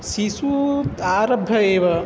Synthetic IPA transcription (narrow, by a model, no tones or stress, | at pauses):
sisut̪aːɾɐbʱːɐeːʋɐ